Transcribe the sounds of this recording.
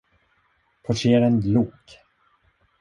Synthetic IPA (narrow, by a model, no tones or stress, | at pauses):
pʰɔʈʰeːɾɛnluːk